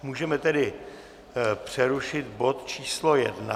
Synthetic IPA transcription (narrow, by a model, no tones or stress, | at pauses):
muːʒɛmɛt̪ɛdɪ | pr̝̥ɛɾuʃɪt̪bo̞t̪t͡ʃiːslo̞jɛ̰dna̰